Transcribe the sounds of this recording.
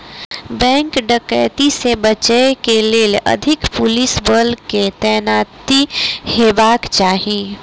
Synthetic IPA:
bɛ̃ŋkɖəkə̰ɪt̪isebət͡ʃəekeleːlʔə̰d̪ʱɪkpʊlɪsbəlket̪ɛːnaːt̪ihebaːkt͡ʃaːɦi

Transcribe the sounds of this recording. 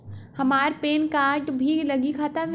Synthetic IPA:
hɐmaːɾpeːnkad͡ʒbʱilɐɡikʰaːt̪a

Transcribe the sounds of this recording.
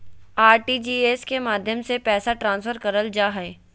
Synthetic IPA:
aːɾʈid͡ʒiːeːskemaːd̪ʱjəmsepɛːsaʈɾãːnsfʰəɾkɐɾəld͡ʒaːɦɛː

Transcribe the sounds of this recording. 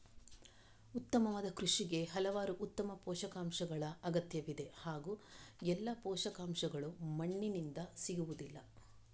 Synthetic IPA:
ut̪ːɐmɐʋaːd̪ɐkɾuʂiɡe̞ɦɐlɐʋaːɾuʔut̪ːɐmɐpɔːʃɐkaːmʃɐɡɐɭɐɐɡɐt̪jɐʋid̪e̞haːɡuːɛlːɐpɔːʃɐkaːmʂɐɡɐɭumɐɳːinind̪ɐsiɡuʋud̪ilːɐ

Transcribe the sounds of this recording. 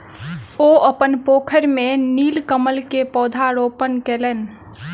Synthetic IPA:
oəpənpoːkʰəɾmeniːlkəməlkepɔːd̪ʱaɾopənkeːleːn

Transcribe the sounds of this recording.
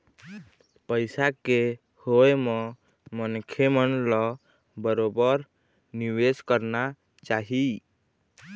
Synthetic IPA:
pəɪsake | hoemɔ̃ | mənkʰemənlɔ | bəɾobəɾ | niweskəɾna | t͡ʃaɦi

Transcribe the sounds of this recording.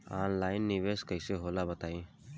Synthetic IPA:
aːnlaːɪnːiʋeːskəɪseɦoːlabət̪aːĩː

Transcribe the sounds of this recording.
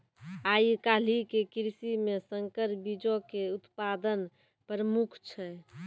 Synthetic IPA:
aikalikekɾsimesəŋkəɾbid͡ʒokeut̪pad̪ən | pɾəmukʰt͡ʃʰɛ

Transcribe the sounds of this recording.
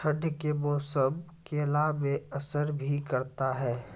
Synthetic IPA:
ʃəɖjkeboːsəbkeɐlaːʋeɐsəɾbʱikɐɾt̪aɦɛː

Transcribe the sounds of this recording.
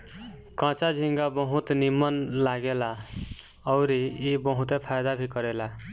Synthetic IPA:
kãt͡ʃad͡ʒʱiŋɡabʌɦũt̪nimːʌnlaɡela | ʌwɾiːbʌɦut̪epʰajd̪abʱikʌɾela

